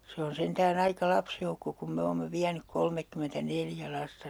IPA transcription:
se on sentæːn ɑikɑ lɑpsjoukːo kum me oːmːe ʋiænyk kolmekːymentæneljæ lɑstɑ

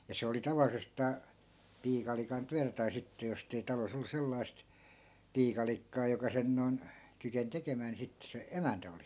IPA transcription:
jɑ se oli tɑʋɑlˑisestɑː piːkɑlikɑn tyætæ tɑi sitːe jostei tɑlos olːu selːɑi̯st piːkɑlikːɑː jokɑ sen non kyken tekemæː ni sitːe se emæntæ oli

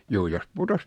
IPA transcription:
juː jos putos

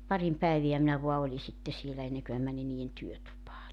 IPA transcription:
pɑrim pæeʋiæ minæ ʋoɑ oli sitːe sielæ enːeŋkø mæ mæni niːen tyøtupɑː

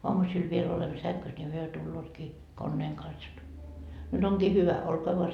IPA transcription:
oɑmusil ʋiel olemːo sæŋkys nʲi hyø tulːoːtkiː konːeːŋ kɑns jot nyt oŋkiː hyʋæ olkoɑ ʋoɑ

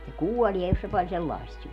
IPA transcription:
se kuolie jos se pɑl selːɑˑi̯st syø

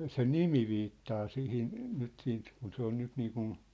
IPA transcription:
se nimi ʋiːtːɑː sihin nyt siːnt kun se on nyt niːkun

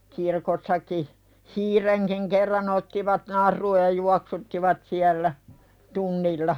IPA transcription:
kirkosːɑki hiːreŋkiŋ kerːɑn otːiʋɑt nɑrˑuːj jɑ juɑksutːiʋɑt siælːæ tunːilːɑ

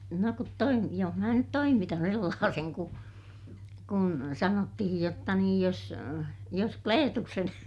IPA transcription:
no kut toim joh mæː nyt toimitɑn selːɑːseŋ ku kun sɑnotːihij jotːɑ niːj jos jos kleːtuksen

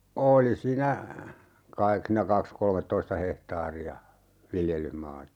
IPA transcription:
oːli siːnæ kɑik siːnæ kɑks kolmetːoistɑ hehtɑːriɑ ʋiljelˑyhmɑːtɑ

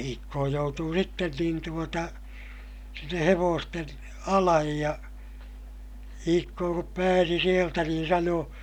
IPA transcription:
iːkːoː joutuː sitːen niːn tuotɑ sinːe heʋoːsten ɑlɑj jɑ iːkːoː kup pæːsi sieltæ niːn sɑnoː

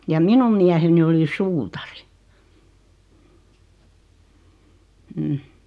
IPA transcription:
jɑ minum miæheni oli suːtɑri m̩

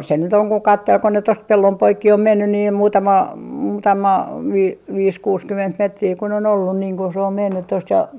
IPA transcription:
se nyt oŋ ko kɑtːel ko ne tost pelːom poikːi om menːy niːm muːtɑmɑ muːtɑmɑ ʋi ʋiːs kuːskyment metriː kun on olːun niːŋ ku se om menːyt tost jɑ

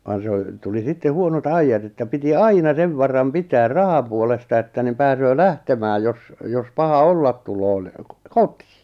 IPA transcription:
ʋɑn se o tuli sitːe huonot ɑijːɑt etːæ piti ɑinɑ seʋ ʋɑrɑm pitæːr rɑhɑpuolestɑ etːæ nim̆ pæːsøː læhtemæːj jos jos pɑhɑ olːɑt̆ tulo ni koti̥ː

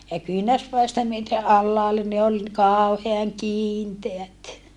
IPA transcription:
jɑ kyinærspæistæ myøte ʔɑlːɑːlːe ni ol kɑˑuheɑŋ kiːnteæt

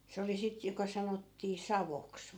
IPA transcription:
se oli sit jokɑ sɑnotːiː sɑʋoks

